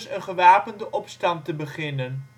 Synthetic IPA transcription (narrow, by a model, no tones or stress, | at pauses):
sənχəʋaːpəndəʔɔpstɑntəbəχɪnən